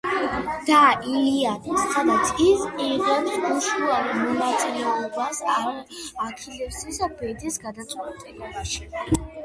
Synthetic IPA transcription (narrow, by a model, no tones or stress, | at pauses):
d̪̥aʔilianɛsad̪at̪sɡisqʼiɾɡɛniuʃuaɾimɔnat̪sʼilɛɔbasaː | kʰilɛpsisabɛd̪isɡad̪at̪sʼɛt̪ʼɛlɔbaʃi̥